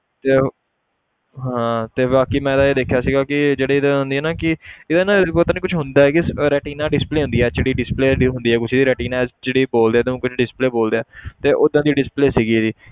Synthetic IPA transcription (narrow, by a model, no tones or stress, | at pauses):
t̪eː | ɦãːt̪eːbaːkiːmɛ̃ːd̪aːeːd̪eːkʰjaːsiːɡaːkɪd͡ʒeːɽeːɪd̪ãːɦʊ̃nd̪iːɛːnaːkɪɪd̪anãpot̪aːniːkʊt͡ʃʰɦʊnd̪aːɛːkɪsɾɛːʈiːnaːɖɪspleːɦʊ̃nd̪iːɛːt͡ʃeɽiːɖɪspleːɖɦʊ̃nd̪iːɛːkʊt͡ʃʰd̪iːɾɛːʈiːnaːɛt͡ʃeːɽiːboːld̪eːd̪ẽkʊt͡ʃʰɖɪspleːboːld̪eːɛːt̪eːʔʊd̪ːãːd̪iːɖɪspleːsiːɡiːd͡ʒ̪iː